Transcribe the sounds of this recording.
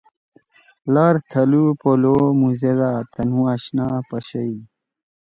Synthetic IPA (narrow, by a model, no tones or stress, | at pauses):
laːɾt̪ʰɐlupolomuzed̪aːt̪ʰɐnũaɕnapəɕɐi